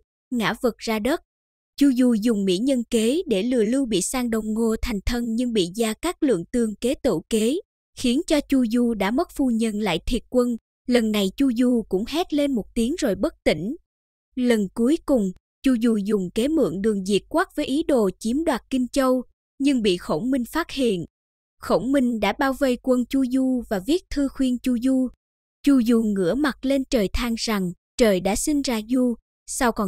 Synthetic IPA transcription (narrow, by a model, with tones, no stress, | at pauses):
ŋa̰ː˧˥və˨˩t̚zaː˧ɗə˦˥t̚ | t͡ɕu˧zu˧˩zʊ˨˩ŋ͡mmḭ˧˥ɲə˧nke˨˦ɗe˧˩lɨ̰˧˨əlɨ˧wɓḭ˧˨saː˧ŋɗə˨˩wŋ͡mŋo˧t̪ʰa˨˩jŋ̟t̪ʰə˧nɲɨ˧ŋɓḭ˧˨zaː˧kaː˦˥k̚lɨ̰˧˨əŋk̪ɨ˨˧˩əŋke˨˦t̪ɨ̰˧˨ke˨˦ | xi˨˦ənt͡ɕɔ˧t͡ɕu˧zu˧ɗa̰ː˧˥mə˦˥t̚fu˧ɲə˧˩nla̰ː˧˨jt̪ʰi˨˩ət̚kwə˧n | lə˨˩nːa˨˩jt͡ɕu˧zu˧˩kʊ̰˧˥ŋ͡mhɛ˦˥t̚le˧nmo˨˩t̚t̪i˨˦əŋzo˨˩jɓə˦˥t̚t̪ḭ˧˩˨ŋ̟ | lə˨˩nku˨˦əjkʊ˨˩ŋ͡m | t͡ɕu˧zu˧˩zʊ˨˩ŋ͡mke˨˦mɨ̰˧˨əŋɗɨ˨˩əŋzi˨˩t̚kwaː˦˥t̚vəː˨˦jʔi˨˦ɗo̰˧˨t͡ɕi˨˦əmɗwaː˨˩t̚kï˧ŋ̟t͡ɕə˧w | ɲɨ˧ŋɓḭ˧˨xo̰˧˩wmï˧ŋ̟faː˦˥t̚hḭ˧˨ən | xo̰˧˩wmï˧ŋ̟ɗa̰ː˧˥ɓaː˧wvə˧jkwə˧nt͡ɕu˧zu˧vaː˨˩vi˦˥ət̚t̪ʰɨ˧xwi˧ənt͡ɕu˧zu˧ | t͡ɕu˧˩zu˨˩ŋɨ̰˧˥əma˨˩t̚le˧nt͡ɕəː˨˩jt̪ʰaː˧ŋza˨˩ŋ | t͡ɕəː˨˩jɗa̰ː˧˥sï˧ŋ̟zaː˧zu˧ | sa˧wkɔ˨˩